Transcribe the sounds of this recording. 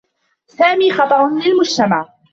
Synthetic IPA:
saːmiːxɑt̪ˤɑɾʊnɪalmʊd͡ʒt̪amaʕ

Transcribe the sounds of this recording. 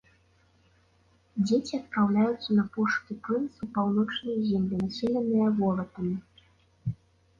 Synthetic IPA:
d͡zʲet͡sʲiɐt̪̚pɾawlʲajut̪sːɐnɐpɔʂk̪ʲipɾɨnsupawnɔt͡ʂnɐjzʲɛmlʲinasʲɛlʲɛnɨjɐvɔlˠɐt̪ɐmʲi

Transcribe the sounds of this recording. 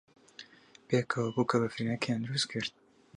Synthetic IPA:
peːkʰɐwɐbuːkʰɐbɐfɾiːnɐkʰejand̪ɨɾust̪̚kʰɨɾt̪̚

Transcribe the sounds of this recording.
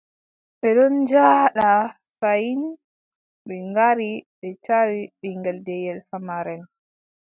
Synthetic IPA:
ɓɛɗɔnd͡ʒaɗa | sajin | ɓɛŋɡaɾiɓɛt͡ʃawiɓiŋɡɛldɛjɛlfamaɾɛn

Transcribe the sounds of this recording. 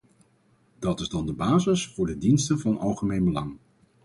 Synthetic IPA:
d̥ɑtɪzdɑndəbaːzɪsfʊːɹdədinstənvɑnʔɑ̰lˠχəmejnbəlɑŋ

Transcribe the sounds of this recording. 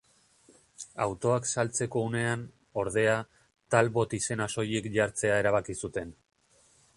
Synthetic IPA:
a̰wt̪o̞aksalt͡se̞ko̞ːne̞an | o̞ɾðe̞a | t̪alβo̞t̪ise̞naso̞jekʎaɾt͡se̞ae̞ɾaβ̞akisut̪e̞n

